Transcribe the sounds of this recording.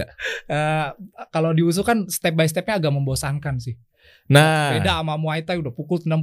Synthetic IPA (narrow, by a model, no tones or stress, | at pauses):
əkalodius̬ukanst̪ɛp̚bajsət̪ɛp̚ɲaːɡaʔməmbosaŋkansɪh | nabedaːmamuait̪ajudahpukʊlt̪əndam